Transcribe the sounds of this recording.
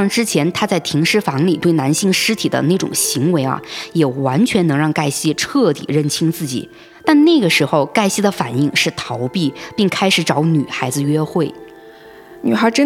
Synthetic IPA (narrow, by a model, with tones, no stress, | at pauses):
ŋʈ͡ʂɻ̩˥t͡ɕʰjɛ˧˥nt̪ʰa˥t͡sa˥˩ɪt̪ʰi˧˥ŋʂɻ̩˥fɑ˧˥ŋli˨˩t̪we˥˩ɪna˧˥nɕi˥˩ŋʂɻ̩˥t̪ʰi˨˩d̪ə̰˦ne˥˩ɪʈ͡ʂʊ̰˨˩ŋɕi˧˥ŋwe˧˥ɪɐ̰˧jɛ˨˩wa˧˥nt͡ɕʰɥɛ˧˥nɤ˧˥ŋɻɑ˥˧ŋka˥˧ɪɕi˥ʈ͡ʂʰɤ˥˩t̪ḭ˨˩ɻə˥˩nt͡ɕʰi˥ŋt͡sɹ̩˥˩t͡ɕḭ˨˩˦ | t̪a˥˧nne˥˩ɡə˩ʂɻ̩˧˥xo˧ʊka˥˩ɪɕi˥d̪ə˨fa˨˩ni˥˩˧ŋʂɻ̩˥˩t̪ʰɑ˧˥ʊpi˥˩pi˥˩ŋkʰa˥ɪʂɻ̩˧˥ʈ͡ʂɑ˧˥ʊny˨˩xa˧˥ɪd͡zɹ̩˧ɥɛ˥xwe˥˩ɪ | ny˨˩xə˞˧˥ʈ͡ʂə˥